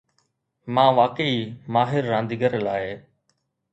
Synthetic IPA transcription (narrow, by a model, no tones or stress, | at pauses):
mãːʋaːkəimaːɦɪɾːãːnd̪iɡəɾlaːɪ